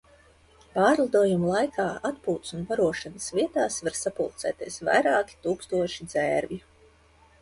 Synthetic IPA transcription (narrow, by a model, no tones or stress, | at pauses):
paːɾlˠad̪uːjumulˠajkʰaːat̪puːt̪sunvaɾuɔʃanəsviɛt̪aːsvaɾsapṵlˠt̪sɛ̰ːt̪iɛsva̰jɾaːkʲi̥t̪uːkst̪uɔʃid̪zɛːɾvʲi